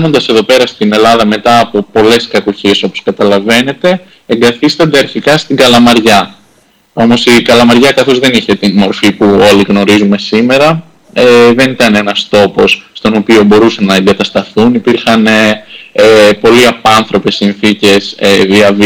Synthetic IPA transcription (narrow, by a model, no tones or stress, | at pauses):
nond̪ɐse̞ðo̞pe̞ɾɐst̪ine̞lɐðɐme̞t̪ɐːpo̞po̞le̞skɐkoçeso̞po̞skɐt̪ɐlɐve̞ne̞t̪e̞ː | ŋɡɐθist̪ɐnd̪eɐɾçikɐst̪iɡɐlɐmɐɾʝɐ | o̞mo̞sikɐlɐmɐɾʝɐkɐθo̞zðe̞niçe̞t̪inmo̞ɾfipuo̞liɣno̞ɾizume̞sime̞ɾɐ | eðe̞nit̪ɐne̞nɐst̪o̞po̞sːt̪o̞no̞pio̞bo̞ɾusɐnɐeŋɡɐt̪ɐst̪ɐθunipiɾxɐneepo̞liɐpɐnθɾo̞pe̞sinθice̞seðiɐv